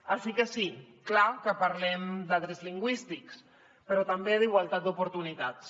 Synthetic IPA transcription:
asikəsi | klakəpaɾlɛmd̪aðɾezliŋɡwist̪iks | pəɾɔt̪ambeðiɣwalˠt̪at̪̚d̪upuɾt̪unit̪at̪s

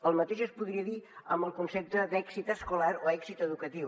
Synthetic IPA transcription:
əlˠmət̪eʒəspuðɾiəðiəmbəlˠkunsɛp̚t̪əd̪ɛksit̪əskulaɾoɛksit̪əðukət̪iw

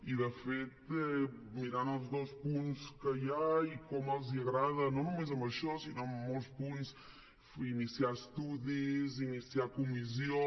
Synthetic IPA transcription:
iðɨfet̪ɛ | miɾanɔzðospũnskɐʎaikomuelˠziɐɣɾaðɐnɐ̃w̃numẽzɐmɐʃɔsinõmõspũns | inisiaɾʃt̪uðizinisiaɾkumiz̬jõ

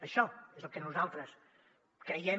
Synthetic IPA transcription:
əʃɔezəlˠkənuzalˠt̪ɾəs | kɾəjɛ

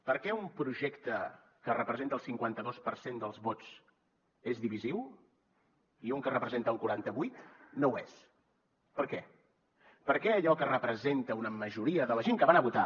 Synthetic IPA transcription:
pəɾkɛumpɾuʒɛkt̪ə | kərəpɾəzent̪əlˠsiŋkwant̪əðospəɾsend̪əlˠzβot͡s | ezðiβiziw | iuŋkərəpɾəzent̪əəlˠkuɾant̪əβujt̪nowes | pəɾkɛ | pəɾkɛəʎɔkərəpɾəzent̪əunəməʒuɾiəðələʒeŋkəβanəβut̪a̰

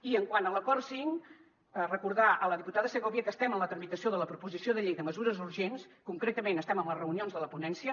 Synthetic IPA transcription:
iəŋkwanələkɔrsiŋ | rəkuɾðaʔələðiput̪aðəsəɣɔβiəkəst̪ɛməmlət̪ɾəmit̪əsioðələpɾupuzisioðəʎejðəməzuɾəzuɾʒenskuŋkɾet̪əmenəst̪ɛməmlərəunionzðələpunɛnsiə

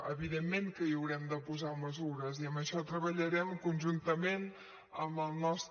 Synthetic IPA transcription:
əβiðemːeŋkəiəwɾɛmd̪əpuzaməzuɾəziəməʃɔt̪ɾəβəʎəɾɛmkunʲʒunt̪əmen | əməlˠnɔst̪

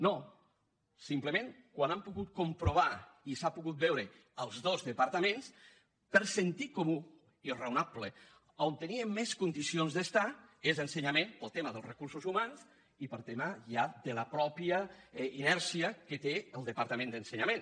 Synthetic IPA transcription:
no | simpləmeŋkwanampuɣut̪̚kumpɾoβ̞aisapuɣut̪̚bɛwɾə | əlˠzðozðəpaɾt̪əmẽns | pəɾsənt̪ikomu | irəunaplə | ont̪əniəːeskund̪isionzðəst̪aezənsəɲamẽnpəlˠt̪eməðəlˠrəkuɾsuzumanz | ipəlˠt̪eməʒad̪ələpɾɔpjəinɛɾsiəkət̪eəlˠd̪əpaɾt̪əmẽnd̪ənsəɲamen

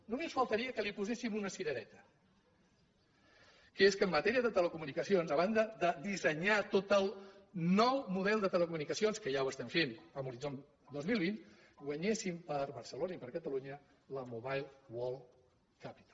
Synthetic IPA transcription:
numesfəlˠt̪əɾiəkəlipuzesimunəsiɾəɾɛt̪ə̥ | kəeskəmːət̪ɛɾiəðət̪ələkumunikəsionzəβand̪əðəðisəɲat̪ot̪əlˠnɔwmuðɛlˠd̪ət̪ələkumunikəsionskəʒawəst̪ɛmfenəmuɾizon | d̪ozmilˠβin | ɡwəɲesimpəɾβəɾsəlonəipəɾkət̪əluɲə | ləmuβajlˠwɔlˠ | kapi̥t̪ḁl

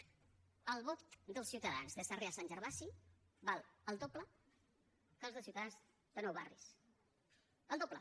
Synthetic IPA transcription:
əlˠβot̪d̪əlˠsiwt̪əða̰nzðəsareasanʲʒəɾβaʃi | baləlˠd̪oplə | kəlzðəsiuwt̪aðanz | d̪ənowβa̰rḭs | əlˠd̪oplə

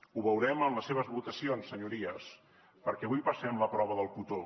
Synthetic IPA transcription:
uβəwɾɛməmləsːeβəzβut̪əsionsːəɲuɾiəs | pəɾkɛɐβujpəsɛmləpɾɔβəðəlˠkut̪o

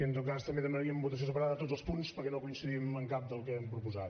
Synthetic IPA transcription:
iənt̪ot̪̚kast̪əmbeðəmənəɾiəmbut̪əs̬iosəpəɾaðət̪od͡zəspunspəɾkɛnokuinsəðiəməŋkap̚d̪əlˠkɛɛmpɾupuzat̪

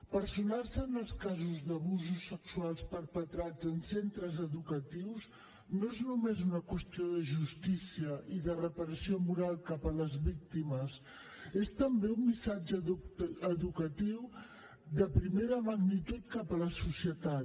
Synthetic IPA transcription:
pəɾsunarsəːnəlˠskazuzðəβuzusːəksualˠspəɾpət̪ɾad͡zənsent̪ɾəzəðukət̪iwz | noeznumezunəkwəst̪ioðəʒust̪isiəʔiðərəpəɾəsiomuɾalˠkapələzβik̚t̪iməs | est̪əmbeummisad͡ʒəəðukət̪iw | d̪əpɾimeɾəməɣnit̪ut̪̚kapələsusiət̪at̪

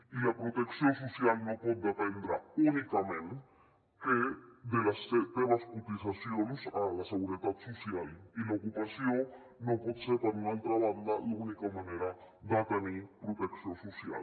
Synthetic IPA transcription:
ilapɾot̪eksjosusjalnopɔt̪̚d̪epend̪ɾaunikamẽn | ked̪elaset̪eβaskut̪isasjonsalaseɣuɾet̪at̪susjalilaokupasjo | nopɔt̪seɾpaɾunalt̪ɾaβand̪alaunikamaneɾa | d̪at̪enipɾot̪eksjosusja̰l

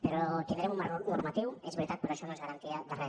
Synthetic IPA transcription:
peɾot̪end̪ɾeumanoɾmat̪iwezβeɾt̪at̪peɾoʃonozɣaɾant̪iad̪are

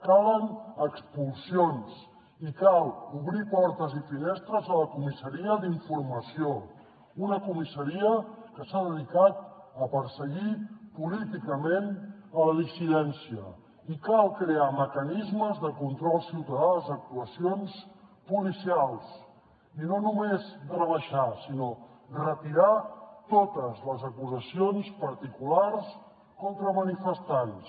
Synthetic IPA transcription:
kalənəkspulˠsions | ikalˠuβɾipɔɾt̪əzifinest̪ɾəzələkumisəɾiəd̪iɱfuɾməsio | unəkumisəɾiəkəsaðəðikat̪̚əpəɾsəɣipulit̪ikəmenələðisiðɛnsiə̰ | ikalˠkɾeaməkənizməzðəkunt̪ɾɔlˠsiwt̪əðazək̚t̪uəsionspulisialˠs | inonumezrəβəʃasinorət̪iɾat̪ot̪əzləzəkuzəsionspəɾt̪ikulars | kɔnt̪ɾəmənifəst̪ans

